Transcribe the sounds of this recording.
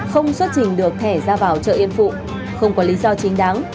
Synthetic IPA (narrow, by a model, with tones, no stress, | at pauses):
xə˧wŋ͡mswə˦˥t̚t͡ɕï˨˩ŋ̟ɗɨ˨˩ək̚t̪ʰɛ˧˩zaː˧vaː˨˩wt͡ɕə̰ː˧˨ʔi˧ənfṵ˧˨ | xə˧wŋ͡mkɔ˨˦li˨˦zɔ˧t͡ɕï˨˦ŋ̟ɗaː˨˦ŋ